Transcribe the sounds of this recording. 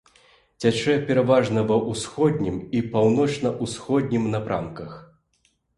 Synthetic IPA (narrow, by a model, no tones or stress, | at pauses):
t͡sʲat͡ʂɛpʲɛɾavaʐnɐvɐʔusxɔd̪ʲnʲimipawn̪ɔt͡ʂnɐʔusxɔd̪ʲnʲimnapɾʔa̰mkɐx